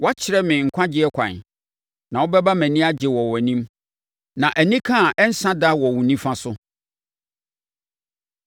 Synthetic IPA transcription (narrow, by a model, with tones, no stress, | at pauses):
wɔ˦a˦t͡ɕʰɪ˨ɾɛ˦mɪ̃˨ŋ̩˨kʷʰã˦d͡ʑɪ˦ɛ˦kʷʰã̰˨n | nã˨wɔ˦bɛ˦ba˦mæ̃˨nĩ˦a˦d͡ʑɪ˨wɔ˨wɔ˨nĩ˦m | nã˨ʔæ˨nĩ˦kʰã˦˨ʔɛ˦n̩˦sã˦da˦wɔ˨wʊ̃˨nĩ˦fã˦sʊ˦